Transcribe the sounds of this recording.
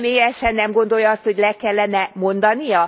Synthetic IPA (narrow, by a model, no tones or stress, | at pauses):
meːjɛʃɛnːɛmɡo̞nd̪o̞ljɒɒst̪ho̞ɟlɛkɛlːɛnɛmo̞nd̪ɒnijɒ